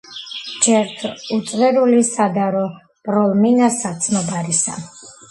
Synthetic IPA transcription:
d͡ʒɛɾt̪ʰut̪sʼʁɛɾulisad̪aɾɔ | bʼɾɔlˠminasat̪sʰnɔbaɾisa̰

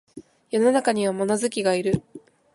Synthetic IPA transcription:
jo̞no̞nakaɲ̟iβ̞amo̞nozɨkʲiɡaiɾɯ̟

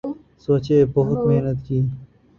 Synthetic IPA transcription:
soːt͡ɕeːpoɦʊt̪meːnɐt̪kiː

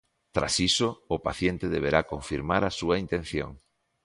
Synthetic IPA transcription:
t̪ɾa̰sisoːpaθjent̪eðeβ̞eɾakoɱfiɾmaɾasuaint̪ẽn̟θjo̰ŋ

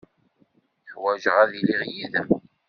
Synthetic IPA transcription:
ħwæʒəʁæðiliʁjiðəm

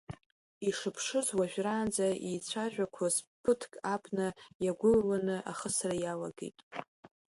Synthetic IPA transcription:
iʂɨpʰʂɨzwaʒᶣraːnd͡zaijt͡sʷʰaʒᶣʷakʷʰazpʰɨtʰkʼapʼnajaɡʷʊllanɨʔa̰χəsrajala̰ɡḛjtʼ

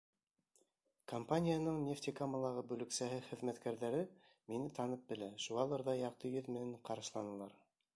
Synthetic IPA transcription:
kompanʲijanɤɴnʲeft̪ʲikoməlˠɑʁɤbɵ̆lɘ̆ksæɦɘχɘ̆ðmæt̪kæɾðæɾɘ | minɘt̪ʰɑnɤp̚bɘ̆læʃuɑlˠɤɾðɑjɑq̚t̪ɤjɵðmɘ̆næɴqɑɾɑʃlˠɑnɤlˠɑɾ

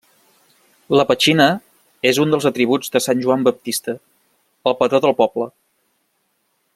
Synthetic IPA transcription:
ləpət͡ʃinə | ezund̪əlˠzət̪ɾiβ̞ud͡zd̪əsanʲʒuambəp̚t̪ist̪ə | əlˠpət̪oðəlˠpɔblə

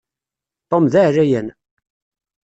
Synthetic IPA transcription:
t̪ˤːomðaʕrːæjən

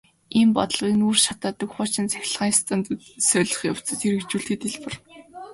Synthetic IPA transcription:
iːmpɔ̰t̪ə̆ɮʁiːnuːrʃat̪aːt̪ə̆kχʊːt͡ɕɪ̆nt͡sæ̥xʲɪ̆ɮʁaːŋst̪ănt̪sœɮɞ̆χjaw̥t͡sə̆t̪ʰerɘ̆kt͡ɕuːɬt̪iːt̪eɮpə̆r

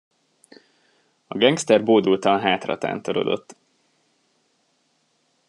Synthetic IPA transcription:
ɒɡɛŋkst̪ɛrboːd̪ult̪ɒnɦaːt̪rɒ̰t̪a̰ːnt̪oɾo̞̰d̪o̞̰t̪ː

